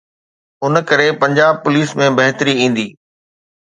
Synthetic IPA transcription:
ʊnkɐɾepɐ̃ɲd͡ʑaːb̚pʊliːsmẽbɐɦt̪ɾiĩːn̆d̪iː

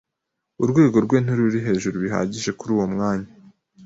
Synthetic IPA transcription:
uɾɡwe̞ːɡo̞ɾɡwe̞ːn̥uɾuɾiɦe̞ːʒuɾuβiɦa̰ːɟiʒe̞kuɾuːwo̞mŋaːɲa

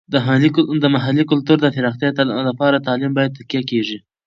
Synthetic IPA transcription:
d̪əɦalid̪əmaɦalikʊlt̪uɾd̪əfɪɾɑχt̪jɑlapɑɾat̪ɑlimbɑjad̪̚t̪akjakeʐi

